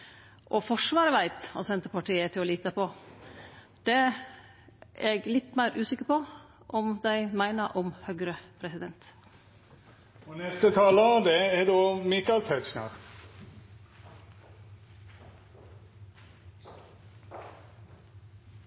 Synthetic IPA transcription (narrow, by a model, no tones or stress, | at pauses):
ʔɔfɔʂʋɑːɾəʋæɪt̪ɑ̰sɛnt̪əpɑʈiːət̪ʰɪɔliːt̪əpʰɔ | d̪̥ɛ | ɛɡlɪt̪ːmæɪɾʔʉːsɪkəɾpɔ | ʔɔmd̪æɪmæɪnəʔɔmhœɡɾəpʰɾɛsɪd̪ɛnt̪ | ɔnɛst̪ət̪ʰɑːləɑʋd̪ɛɛdomɪkɑlt̪ʰæɪt̪snɑ̰ɾ